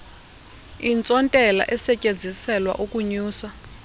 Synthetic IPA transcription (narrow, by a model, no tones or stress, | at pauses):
int͡sʼɔntʼɛla̰ʔɛsɛcʼend͡zʱisɛlwa̰ʔukʼuɲuːsa